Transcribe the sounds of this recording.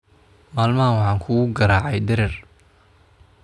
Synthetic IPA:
maːlmɐɦɐwɑħɑːŋkʰʊɣʊɡɐɾaːʕɑjd̪ɛɾɛr

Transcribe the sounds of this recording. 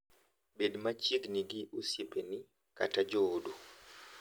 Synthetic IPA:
bedmat͡ʃid̪niɡiʔusjipeni | ka̰tad͡ʒoːdo

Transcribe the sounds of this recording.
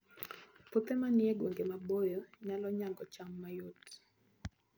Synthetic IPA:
pot̪emanɪeɡwoŋɡemabojoɲalɔɲaŋɡɔt͡ʃamːajot

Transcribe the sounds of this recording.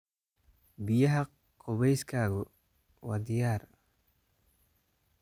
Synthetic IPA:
bɪjɐɦɐ | kʰʊβɛjskʰaːɣʊ | wɑ̰ːd̪ɪjaːr

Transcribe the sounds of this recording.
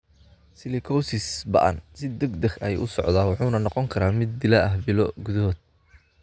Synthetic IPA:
sɪlɪkʰɔwsɪsbɐ̰ʔɐ̰nsɪd̪ɐɡd̪ɐxɐjʔʊ̰sɔʕd̪aːwɑħuːnɐnɔqɔŋkʰɐɾaːmɪd̪̚ːɪlɐɐɦbɪlɔɡʊðɐɦɔːd̪̥̚

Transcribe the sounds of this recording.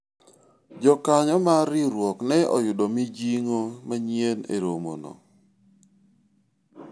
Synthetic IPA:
d͡ʒɔkaɲɔmaɾɪɾwɔknɛʔɔ̰jʊdɔmid͡ʒiŋomaɲienḛɾomo̰nɔ̰

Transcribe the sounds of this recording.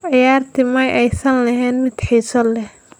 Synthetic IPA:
ʕɪjaːrt̪ʰɪmɐjʔɛjsɐnlɐɦɛːnmɪd̪ħiːsɔlɛh

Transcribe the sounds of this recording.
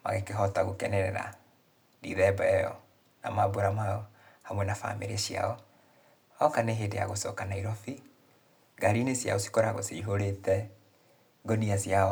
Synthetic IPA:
ma̰ɣekeɦɔtaɣokɛnɛɾɛɾa̰ | dḭðɛbɛɛjɔ̰ | na̰maboɾamaɔhamwɛnafa̰meɾeɕia̰ɔ | ɔkaneɦedḛjaɣosɔ̰kanaiɾɔfi | ɡaɾinesja̰osi̥kɔɾaɣo̰seiɦoɾetɛ | ɡoniasjaɔ

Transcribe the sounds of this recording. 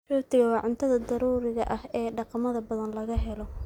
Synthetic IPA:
ruːt̪ʰɪɣɐwɑːʕʊnt̪ʰɐðɐd̪ɐɾuːɾɪɣɐʔɐhɛːɖɑqɑmɐðɐbɐðɐnlɐɣɐɦɛlɔ

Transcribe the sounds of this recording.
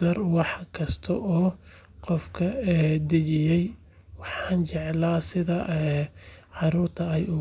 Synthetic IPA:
ɐrwɑħkʰɐst̪ʰɐʔɔː | qɔfkʰɐɛːd̪ɪt͡ʃɪjɛj | wɑħɑːnt͡ʃɛʕlaːsɪðɐʔɛ | ʕɑɾuːrt̪ʰɐɛjʊ

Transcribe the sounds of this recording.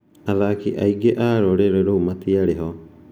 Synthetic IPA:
aðakiʔaiɡeʔaɾoɾeɾɛɾoumatiaɾeɦɔ

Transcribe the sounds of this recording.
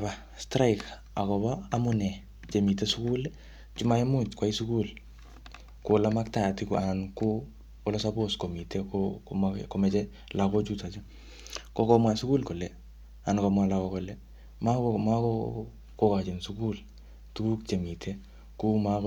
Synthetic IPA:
ba | stɾajk | akɔβaamʊnɛ | t͡ʃemitesukul | t͡ʃumaimut͡ʃkwaisukul | kolamak̚tajatikanko | ɔlɔsaboskomitʰekomakomɛt͡ʃɛ | lakɔt͡ʃutat͡ʃɔ | kokɔmwasukuːlkolɛ | ankɔmwalakɔkɔlɛ | mamakɔ | kokat͡ʃɪnsukul | tuuk̚t͡ʃemitʰe | kuma

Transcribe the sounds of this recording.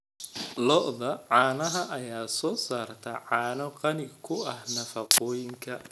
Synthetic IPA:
lɔʔðɐʕɑːnɐɦɐʔɐjaːsɔːsaːrt̪ʰɐʕɑːnɔqɑnɪkʰʊɐhnɐfɐqɔːjɪŋkʰɐ

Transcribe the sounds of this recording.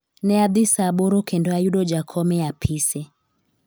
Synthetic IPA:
nɛaðisaɓɔɾɔkɛndɔajuɗɔd͡ʒakʰɔmɛapʰisɛ

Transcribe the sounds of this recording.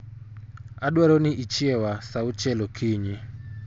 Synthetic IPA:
aɗwaɾoniʔit͡ʃiɛwasaut͡ʃɛlɔkʰiːɲi

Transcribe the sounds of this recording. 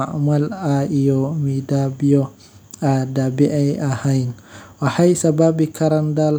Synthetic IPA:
aʔmalaijɔmidabijɔ | adabɛʔajahajnʔahajsababikʰaɾandal

